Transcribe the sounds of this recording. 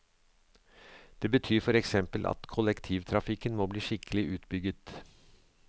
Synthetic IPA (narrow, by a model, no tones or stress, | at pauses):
d̪̥eːbət̪ʰyːɾfɔɾɛksɛmpəlʔɑ̰t̪kʰɔlɛkt̪ʰiʋt̪ʰɾɑfɪkənmoːbliːʂɪkʰəlɪʔʉːt̪bʏɡət̪